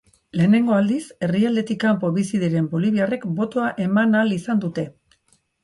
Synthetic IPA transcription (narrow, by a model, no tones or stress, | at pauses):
le̞ːne̞ŋɡo̞ald̪ise̞riald̪e̞t̪ikampo̞βisiðeɾe̞mbo̞liβ̞iare̞kbo̞t̪o̞aʔe̞manalisand̪ut̪e̞